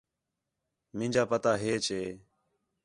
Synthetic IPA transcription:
mɪ̃ːd͡ʒaːpət̪aːɦeːt͡ʃeː

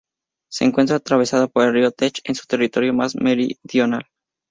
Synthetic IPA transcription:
se̞̰ːŋkwe̞nt̪ɾat̪ɾaβ̞e̞saðapoɾelriot̪et͡ʃe̞nsu̥t̪e̞rit̪o̞ɾjo̞mazmeɾḭðjo̞nal

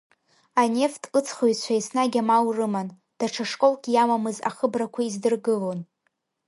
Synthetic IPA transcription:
ane̞ftʰʼɨt͡sʰχojt͡ɕʷʰaisnaɡʲamawrɨman | d̥aʈ͡ʂʰaʂkʼo̞lɡʲʼjamamɨza̰χəbrakʷʰaizdɨrɡɨlon

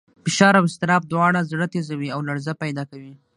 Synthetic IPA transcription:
fɪʃɑɾawɪst̪ɪɾɑb̚d̪wɑɽazɽət̪ezawiawlaɽzapajd̪ɑkawi

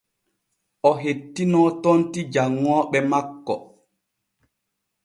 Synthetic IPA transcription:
ʔɔɦetːinɔtontid͡ʒaŋːɔːɓɛmakːɔ

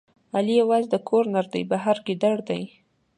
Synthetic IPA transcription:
alijawɑzd̪əkʰoɾnaɾd̪ə̰jbaɦaɾɡid̪aɽd̪aj

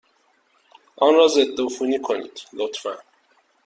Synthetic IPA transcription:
ʔɒːnɾɒːze̞d̪ːofuːniːkʰo̞nḭːd̪̥lot̪fæn

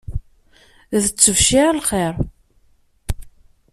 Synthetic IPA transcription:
ðət͡sːəvʃiʕlχeɾˤ

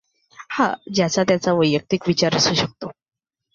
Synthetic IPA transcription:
hã̰d͡ʑjat͡sat̪jat͡saʋəjːək̚t̪ikʋit͡ɕaɾəsuːɕək̚t̪o

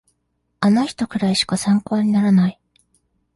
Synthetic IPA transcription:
anaçi̥t̪o̞kɯ̟ɾaiɕi̥kasãŋko̞ːɲ̟inaɾanai

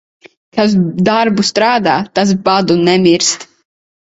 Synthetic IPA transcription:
kaz̬d̪aɾbust̪ɾaːd̪aːt̪as̬bad̪unɛmiɾst̪

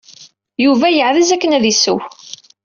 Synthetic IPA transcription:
juvæjəʕðizækːənæðisəw

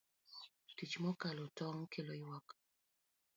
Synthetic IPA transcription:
tit͡ʃmɔkalɔtɔŋkʰelɔiwak

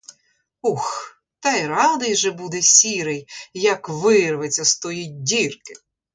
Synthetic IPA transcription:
ux | t̪ɛjɾɑd̪ɐjʒɛbud̪ɛsʲiɾɪjjɐkʋɪrʋet͡sʲːɐst̪ɔjit̚ʲdʲirkɪ̥

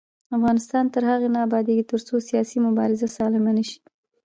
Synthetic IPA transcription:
afɣɑnɪst̪ɑnt̪əɾhaɣenɑːbɑd̪eɡit̪əɾt͡sosijɑsimʊbɑɾɪzasɑlɪmanəʃi̥

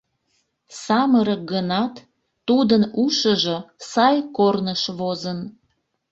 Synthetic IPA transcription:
sɑməɾək̚ɡənɑt̪ː | ud̪ənuʃəʒosɑjkornəʃβozən

